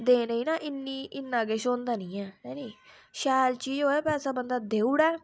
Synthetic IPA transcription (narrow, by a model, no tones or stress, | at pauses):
d̪ẽːɾəiːnaːʔɪnːiːʔɪnːaːɡeːʃoːnd̪aːnĩːɛːnɛːniː | ʃɛːlt͡ʃiːd͡ʒɦoːɛːpɛːsaːbənd̪aːd̪eːuɽɛː